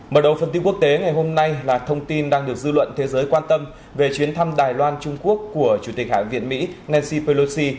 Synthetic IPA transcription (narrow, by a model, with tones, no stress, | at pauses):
məː˨˩ɗə˨˩wfə˨˩nt̪i˧ku˦˥əkt̪e˨˦ŋa˨˩jɦo˧mna˧jlaː˨˩t̪ʰə˧wŋ͡mt̪i˧nɗaː˧ŋɗɨ˨˩ək̚zɨ˧lwə̰˧˨nt̪ʰe˨˦zəː˨˦jkwaː˧nt̪ə˧m | ve˨˩t͡ɕwi˨˦ənt̪ʰa˧mɗaː˨˩jlwaː˧nt͡ɕʊ˧ŋ͡mku˦˥əkːu˧˩ət͡ɕu˧˩t̪i˨˩k̟ha̰ː˧˨vḭ˧˨ənmḭ˧˥nɛ˧nsi˧pe˧lo˧si˧